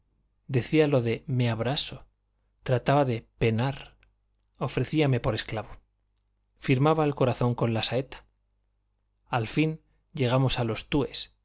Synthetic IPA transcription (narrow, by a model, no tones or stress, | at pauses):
d̪e̞θialo̞ðe̞meaβɾaso̞ | t̪ɾat̪aβaðe̞pe̞naɾ | o̞fɾe̞θiame̞po̞ɾe̞sklaβo | fiɾmaβaelko̞ɾaθo̞ŋko̞nlasae̞t̪ḁ | alfin | ɟ͡ʝe̞ɣ̞amo̞salo̞st̪ue̞s